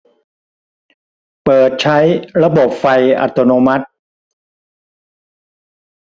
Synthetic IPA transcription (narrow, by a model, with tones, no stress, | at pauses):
pɤː˨˩t̪̚t͡ɕʰa˦˥jɾa˧bo˨˩p̚fa˧jʔa̰˨˩t̪o˧noː˧ma˦˥t̪̚